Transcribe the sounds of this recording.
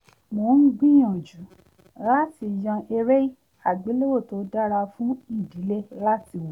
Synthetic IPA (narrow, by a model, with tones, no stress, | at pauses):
mo˨n̩˦ɡ͡bĩ˦j̃ã˨d͡ʒu˨˦ | la˦ti˧jã˧ʔe˧ɾe˦i˦˨ | a˨ɡ͡be˨˦lo˦wo˦˨to˨˦da˦ɾa˧fũ˦i˦˨di˨˦le˦la˦ti˧wo˨